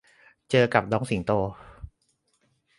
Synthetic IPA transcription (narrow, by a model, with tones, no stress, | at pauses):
t͡ɕɤː˧ka˨˩p̚dɔː˧˥ŋsi˨˩˦ŋt̪oː˧